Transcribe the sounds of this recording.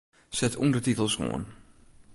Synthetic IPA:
sɛtʰṵndətitəl̩ˠsro̰ən

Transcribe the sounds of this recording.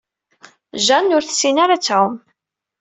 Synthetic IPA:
ʒænːʊɾθə̥sːinaɾat͡sːʕʊm

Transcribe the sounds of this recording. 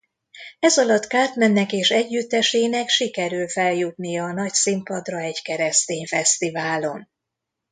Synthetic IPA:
ɛzɒlɒt̪kaːrt̪mɛnːɛkeːʃɛɟːyt̪ːɛʃeːnɛkʃikɛɾylfɛljut̪nijɒːnɒcsimpɒd̪rɒɛɟkɛɾɛst̪eːɲfɛst̪ivaːlo̞n

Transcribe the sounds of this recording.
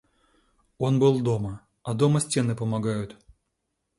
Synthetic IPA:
o̞nbɨlˠd̪o̞mə | ɐd̪o̞məsʲtʲe̞nɨpəmɐɡajʊt̪

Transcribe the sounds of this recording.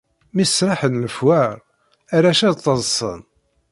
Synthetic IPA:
misɾˤɑħənləfwaɾ | æɾæʃæðt̪ˤːəzˤsˤə̰n

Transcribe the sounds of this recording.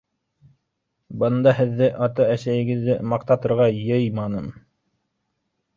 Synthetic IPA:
bɤ̆nd̪ɑɦɘ̆ðːɘʔɑt̪ɑæsæjɘ̆ɡɘ̆ðːɘmɑqt̪ɑt̪ɤ̆ɾʁɑjɤjmɑnɤm

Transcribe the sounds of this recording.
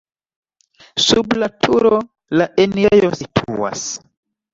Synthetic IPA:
sublatʰuɾo | laʔenejositʰṵwa̰s

